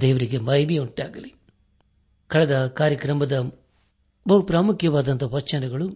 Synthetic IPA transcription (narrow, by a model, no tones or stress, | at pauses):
d̪ɛːʋɐɾiɡemɐjʋiuɳʈaːɡɐli | kɐɭɐd̪ɐkaːɾjɐkɾɐmɐd̪ɐ | bɐɦupɾaːmukʰjɐʋaːd̪ɐnt̪ɐʋɐt͡ʃːɐnɐɡɐɭu